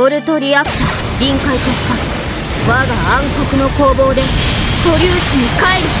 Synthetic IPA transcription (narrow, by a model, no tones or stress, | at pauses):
oɾɯ̟t̪o̞ɾʲiakɯ̥t̪a | ɡʲĩŋkait̪oɕk̪a | βaɡaãŋko̞kɯ̟no̞ko̞ːbo̞ːd̪e̞t̪o̞ɾʲɯːɕiɲ̟ikaeɾɯ̟